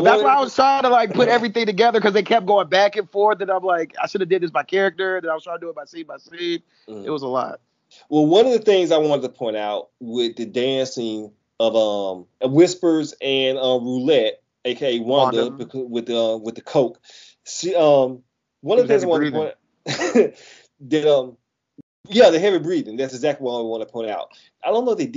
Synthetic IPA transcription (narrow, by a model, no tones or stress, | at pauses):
ðəswaaɪwʌz̥tʰɑɹ̃ɾtəlaɪk̚pʰʊɾɛvɹiθɪ̃ŋtɨɡɛðə˞kʌzðeɪkʰɛp̚ɡoʊɪ̃ŋbækɨ̃nfɔɹθ̚ðɨ̃nãɪ̃mlaɪka̰ɪʃʊɾʌvdɨd̪̚ðɪsb̥aɪkʰɛɹɨk̚tə˞ðɨ̃naɪwʌ̥zsʰɑɹnəduət̚baɪsĩmaɪsip̚ | ɨ̰t̚wʌzəlɔ̰t̚ | wɛlˠwʌ̃nʌvðɨθɪ̃ŋzaɪwɑ̃nɨdtʰəpʰɔ̃ɪ̃ntaʊt̚wɪðɨdæ̃nsɪ̃ŋ | ʌvʌ̃mʌwɪspə˞zɨ̃nʌ̃mɹulɛt̚ | oʊkʰeɪwʌ̃nðəbɨkʰʌwɨðɨʌ̃mwɨðɨkʰoʊk | siʌ̃m | wʌ̃nʌvðɨθɪ̃ŋzaɪwɑ̃npɔ̃ɪ̃n | ðɨɾʌ̃m | jæðeɪɦɨvɨbɹiðɪ̃ŋðætsɨɡzæk̚tˡliwaɪwɑ̃nɨtʰəpʰɔ̃ɪ̃ntaʊt̚ | aɪdõʊ̃nːowət̪̚ðeɪd